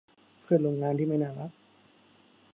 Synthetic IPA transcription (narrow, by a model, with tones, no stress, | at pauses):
kʰɯ˥˩t̪̚lo˧ŋaː˧nt̪ʰiː˥˩ma˥˩jnaː˥˩la˦˥k̚